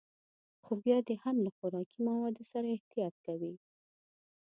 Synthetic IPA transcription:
xobjɑd̪ehamlaxʊɾɑkimawɑd̪osaɾaɪht̪ijɑt̪̚kawi

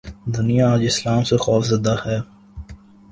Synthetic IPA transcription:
d̪ʊnijaaːd͡ʒɪslaːmsexɔːfzɐd̪ahɛː

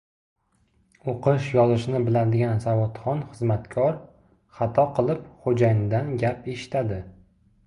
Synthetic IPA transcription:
oqʰɪʃjɒzɪʃnɪbɪlad̪ɪɡʲansavɒt̪χɒnχɨzmat̪kʰɒɾ | χɑt̪ʰɒqʰɨlˠɪpχod͡ʒajɪnɪd̪anɡʲape̞ʃɪ̥t̪ʰad̪ɪ

